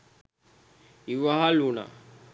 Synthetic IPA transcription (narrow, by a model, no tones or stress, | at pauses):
iʋaɦaluna̰